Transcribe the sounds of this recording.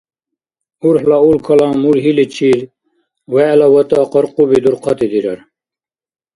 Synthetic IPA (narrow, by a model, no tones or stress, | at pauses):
uɾħlɑulkʰɐlɑ̃ːmuɾɦilit͡ɕʰiɾ | wɛlawɐt̪ɑːqɑɾqubid̪uɾqʰɑt̪id̪iɾɐɾ